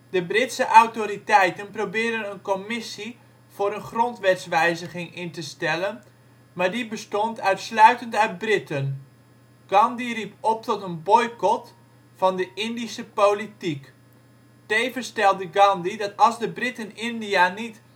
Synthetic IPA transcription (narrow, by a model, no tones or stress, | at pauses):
dəbrɪtsəʔawtoɾitɛjtənprowbɪːdənənkomɪsi | v̥ʊːɾənχrɔntʋɛtsʋɛjzəχɪŋɪntəstɛlən | maɹdibəstɔntʰœɥtslœɥtəntœɥt̚brɪtən | ɡ̥ɑndiripɔp̚tɔtənbɔjkɔt | fɑndəʔɪndisəpowlitik | tejvəstɛlˠdəɡɑndidɑtɑlˠzdəbrɪtənɪndianit